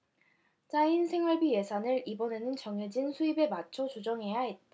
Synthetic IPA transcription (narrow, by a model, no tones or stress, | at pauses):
t͡ɕ͈ainsʰe̞ŋwaɭbije̞sʰanɯɾibʌne̞nɯnt͡ɕʌŋed͡ʑinsʰuibe̞mat͡ɕʰot͡ɕud͡ʑʌŋɦe̞jaɦet̚t͈a